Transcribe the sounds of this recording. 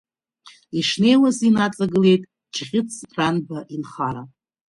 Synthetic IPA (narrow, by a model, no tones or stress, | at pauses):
iʂne̞jwazinat͡sʼaɡɨle̞jtʼ | d͡ʒʁʲɪt͡sʰranbaʔinχaɾa